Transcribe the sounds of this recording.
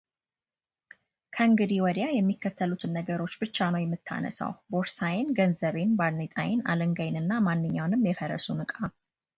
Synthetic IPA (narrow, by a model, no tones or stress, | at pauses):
kʰəɨŋɡɨd̪iwɔd̪jajɛmːikːət̪ʰːəlut̪ʰɨnːəɡəɾo̞t͡ʃːbɨt͡ʃːanəwjɛmːɨt̪ʰːa̰nə̰sa̰wboɾsajɪnɡənzəβenbaɾnet̪ʼa̰jɪna̰ləŋɡajnɨnːamanːɨɲːawnɨmjɛfəɾə̰sunɨkʼam